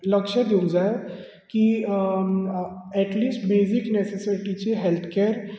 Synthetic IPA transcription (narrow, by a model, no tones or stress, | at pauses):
ləkʂəɾd̪iũŋd͡zaj | ki | ɛʈliːsʈbeziknesesiʈit͡ɕeɦelt̪ʰkeɾ